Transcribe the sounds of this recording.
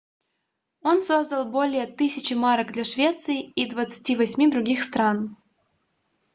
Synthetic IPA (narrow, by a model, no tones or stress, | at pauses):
o̞nso̞zd̪əlˠbo̞lʲɪjət̪ɨsʲɪt͡ɕɪmaɾəɡd̪lʲɐʂvʲe̞t̪sɨɪid̪vət̪sɨ̥tʲivɐsʲmʲid̪ɾʊɡʲixst̪ɾan